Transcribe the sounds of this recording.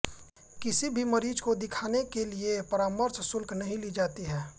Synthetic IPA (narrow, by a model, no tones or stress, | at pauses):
kɪsibʱimɐɾiːd͡ʒkod̪ɪkʰaːnekeliepɐɾaːməɾssʊlknɐɦĩlid͡ʒaːt̪iɦɛː